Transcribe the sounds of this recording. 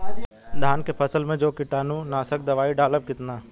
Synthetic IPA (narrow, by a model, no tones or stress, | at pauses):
d̪ʱaːnkepʰəsəlmẽd͡ʒoːkɪʈaːnũnaːsək̚d̪ɐʋaːiɖaːləb̚kɪt̪naː